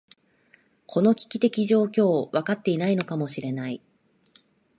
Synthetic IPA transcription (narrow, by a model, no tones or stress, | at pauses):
kʰo̞no̞kʲi̥kʲit̪e̞kʲiʑo̞ːkʲo̞ːβakat̪ːe̞inaino̞kamo̞ɕiɾe̞nai